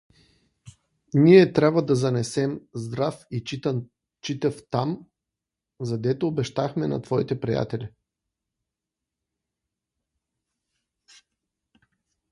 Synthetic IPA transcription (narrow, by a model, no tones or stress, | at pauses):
niɛt̪ɾʲabvəd̪ɐzɐnɛsɛmzd̪ɾafi | t͡ʃit̪əft̪am | zɐd̪ɛt̪oːbɛʃt̪axmɛnɐ̰t̪vɔit̪ɛpɾija̰t̪ɛlʲi